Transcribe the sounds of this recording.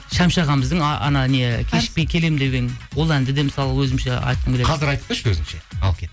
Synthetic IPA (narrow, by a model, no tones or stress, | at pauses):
ʃɑmʃɑʁɑməzd̪əɴɑʔɑ̰nɑneekʲʰe̞ʃɪk̚pejkʲʰe̞le̞md̪e̞ɡʲenwo̞lˠænd̪ɪd̪e̞mɪsɑlˠəwɵzɪmʃḛɑ̰jt̪̚qəmbeqʰɑzɪɾɑjt̪əp̚t̪eʃwɵzɪmʃeɑ̰lˠkʲe